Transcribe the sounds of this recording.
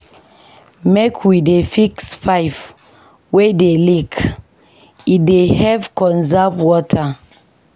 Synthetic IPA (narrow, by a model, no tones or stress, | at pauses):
mekʰwidefiksfaɪf | wedelik | idehɛvkɔ̃nzapwɔtʰa